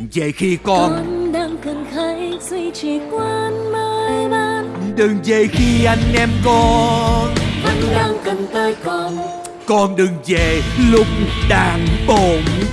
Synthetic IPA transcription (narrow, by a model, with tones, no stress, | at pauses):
zə̰˨jxi˧kɔ˧nnɗaː˧ŋkɨ˨˩ŋxa˧˦jsi˧t͡ɕi˨˩kwaː˧nməː˧jɓaː˧nɗɨ˨˩ŋze˨˩xi˧ʔa˧jŋ̟ʔɛ˧mkɔ˧ | ʔa˧ŋɗaː˧ŋkɨ˨˩ŋt̪əː˧jkɔ˧˩ | kɔ˧nɗɨ˨˩ŋzḛ˧˨lʊ˦˥k͡p̚ɗaː˧˩ŋɓo˨˩m